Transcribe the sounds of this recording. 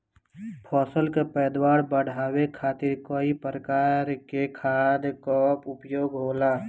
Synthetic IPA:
pʰɔːsəlkepɛːd̪waːɾbəɽ̤aːwekʰaːt̪ɪɾkoːipɾəkaːɾkekʰaːd̪kɔpʊpjoːɡɦoːlaː

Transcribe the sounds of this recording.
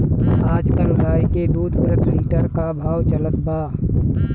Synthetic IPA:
aːd͡ʒkəlɾaːiked̪uːd̪bɾət̪liːʈəɾkabʱaːwt͡ʃələt̪baː

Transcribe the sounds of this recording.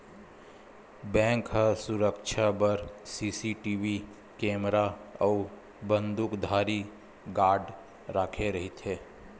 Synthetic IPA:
bɛ̃ːŋkɦasʊɾəkʃʰabəɾsiːsiʈiːwi | kẽːmɾaɔː | bə̃nd̪ʊkd̪ʱaːɾi | ɡaːɾɖ | ɾaːkʰeɾɐɦit̪ʰeː

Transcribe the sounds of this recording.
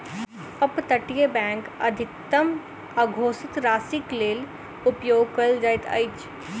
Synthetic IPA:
ɐpt̪ɐʈijebɛ̃ːŋkɐd̪ʱɪkt̪əm | ɐɡʱoːsɪt̪ɾaːsɪkleːl | ʊpjoːɡkɐld͡ʒajt̪ɐ̰jt͡ʃ

